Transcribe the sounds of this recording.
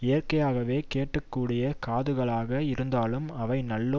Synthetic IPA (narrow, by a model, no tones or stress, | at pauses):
ɪjɐrkɐjaːɣɐʋeːkeːʈːɯkːuːɽɪjɐkaːðɯɣɐɭaːɣɐɪɾɯnd̪aːlɯmɐʋɐɪnɐlːo